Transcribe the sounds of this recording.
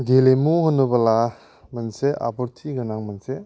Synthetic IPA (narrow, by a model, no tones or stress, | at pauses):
ɡelemuhɔnːubɐla | mɐnseʔa̰bɔɾtʰiɡɐnaŋmanse